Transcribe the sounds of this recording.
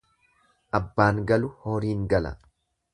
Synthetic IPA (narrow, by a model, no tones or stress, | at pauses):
ʔɐbːaːŋɡɐlʊhoːɾiːŋɡɐlɐ̰